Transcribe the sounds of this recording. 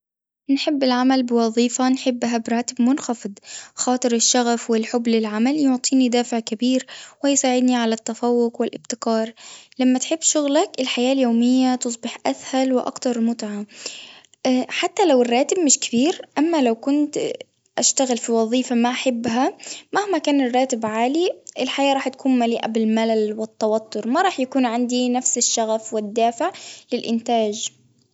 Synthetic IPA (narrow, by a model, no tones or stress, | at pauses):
nħɪbːɪlʕamalbɪwɑðˤiːfanħɪbːɦabɾˤɑːt̪ɪbmʊnxɑfɨd̪ˤxɑːt̪ˤɨɾɪʃːaɣafwɪlħʊbːlɪlʕamaljʊʕt̪ˤiːnid̪aːfɪʕkabiːɾwɪjsaːʕɪd̪niʕalat̪ːafawːʊqwɪlʔɪbt̪ɪkɑːɾˤlamːat̪ħɪbːʃʊɣlakɪlħajaːljoːmɪjːat̪ʊs̬ˤbɪħʔaθhalwɪʔɑ̰kt̪ɑɾˤmʊt̪ʕa | ħat̪ːalawɪrˤːɑːt̪ɪb̚mɪʃkɪbiːɾʔamːalawkʊnt̪ | ʔaʃt̪aɣɪlfiwɑðˤiːfamaʔaħɪbːɦamahmakaːnɪrˤːɑːt̪ɪbʕaːliʔɪlħajaːʔɾˤɑːħt̪ḁkuːnmaliːʔabɪlmalalwɪt̪ːɑwɑt̪ːʊɾmaɾˤɑːħjakuːnʕand̪inafsɪʃːaɣafwɪd̪ːaːfɪʕlɪlʔɪnt̪aːd͡ʒ